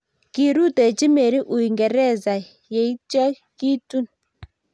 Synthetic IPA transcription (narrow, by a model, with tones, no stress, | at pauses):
ki˨ɾu˦tɛ˨t͡ʃi˦mɛ˨ɾi˦ʔu˨i˨ŋɡɛ˨ɾɛ˦˨za˨ | jɛ˨i˦t͡ʃa˦ | ki˦tu˦n